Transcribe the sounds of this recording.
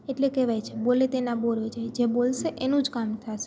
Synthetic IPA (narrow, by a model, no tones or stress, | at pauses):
eʈlekeʋajt͡ʃʰebolet̪enaboɾod͡ʒajd͡ʒebolʃeʔenũd͡ʒkamt̪ʰaʃe̥